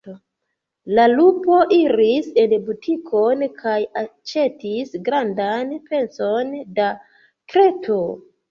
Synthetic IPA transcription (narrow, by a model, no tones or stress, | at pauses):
lalupo̞ʔiɾise̞nbutʰikʰo̞nkʰajat͡ʃe̞tisɡɾandanpe̞nso̞nda | kɾe̞to